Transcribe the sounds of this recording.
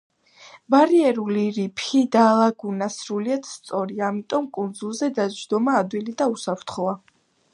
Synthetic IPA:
baɾiɛɾuliɾipʰid̪alˠaɡunasɾuliad̪̥st̪sʼɔɾiaːmit̪ʼɔmkʼund̪zulˠzɛd̪ad͡ʒd̪ɔmaːd̪wilid̪ausapʰɾt̪ʰχɔa

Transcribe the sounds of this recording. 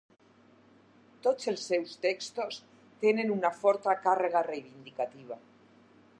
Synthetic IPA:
t̪ot͡sselsːewst̪ekst̪os | t̪jenenunafoɾt̪akareɣ̞arejβind̪ikat̪iβ̞a

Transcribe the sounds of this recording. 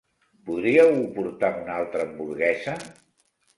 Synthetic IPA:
puðɾiəwpuɾt̪aunalˠt̪ɾəːmbuɾɣɛzə

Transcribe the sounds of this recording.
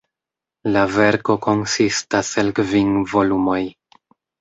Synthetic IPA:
lave̞ɾko̞ko̞nsistaselkviŋvo̞lumo̞j

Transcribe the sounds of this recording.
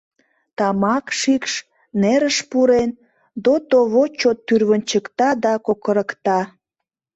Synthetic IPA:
t̪ɑmɑkʃikʃ | neɾəʃpuɾen | d̪ot̪oβot͡ɕot̪ːyrβənt͡ɕəkt̪ɑd̪ɑkokəɾəkt̪ɑ

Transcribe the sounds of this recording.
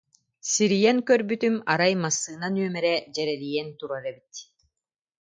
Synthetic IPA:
siɾijɛŋkœɾbyt̪ymaɾajmasːɯːnanyœmɛɾɛd͡ʑɛɾɛlijɛnt̪uɾaɾɛbit̪

